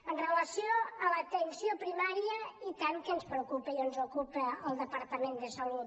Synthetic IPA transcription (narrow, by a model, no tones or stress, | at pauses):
ənrələsjoələt̪ənsiopɾimaɾiəit̪ankənspɾəkupəionzokupəəlˠd̪əpəɾt̪əmend̪əsəlut̪